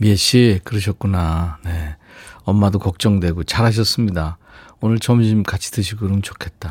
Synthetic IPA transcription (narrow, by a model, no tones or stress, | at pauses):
mieɕ͈ikɯɾɯʌɕ̬ʰʌt̚k͈unane̞ | ʌmːadokʌk̚t͡ɕ͈ʌŋdwe̞ɡot͡ɕaɾɦaɕ̬ʰʌs͈ɯmɲida | onɯɭt͡ɕʌmɕ̬ʰimkat͡ɕʰi̥tɯɕʰiɡɯɾomt͡ɕokʰe̞t̚t͈a